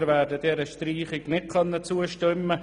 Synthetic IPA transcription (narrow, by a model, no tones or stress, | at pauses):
ɾʋæːɾdədɛɾəʃtriːχɪɡnɪt̚kʰœnːət͡suəʃtʏmːə